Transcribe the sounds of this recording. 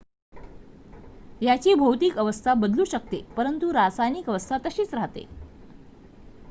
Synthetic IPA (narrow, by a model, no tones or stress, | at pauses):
jat͡ɕiːbʱəwt̪iːkəʋəst̪ʰabəd̪luːɕəkt̪epəɾənt̪uɾat͡sajniːkəʋəst̪ʰat̪əɕiːt͡sɾaɦt̪ḛ